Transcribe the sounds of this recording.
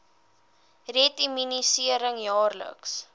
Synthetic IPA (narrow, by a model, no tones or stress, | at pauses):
retiminisiəɾəŋjɑːrlə̰ks